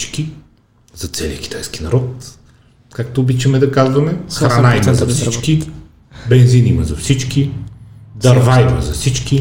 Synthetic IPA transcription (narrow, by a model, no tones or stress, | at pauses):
t͡ʃki | z̥ɐt̪sɛliək̟ʲi̥t̪ajski̥nɐɾɔt̪ | kak̚t̪oːbit͡ʃɐmɛd̪ɐkazvɐmɛxɾɐnnaimɐzɐfsit͡ʃki | bɛnzinimɐzɐfsit͡ʃki | d̪ɐɾvaid̪ɐzɐfsit͡ʃki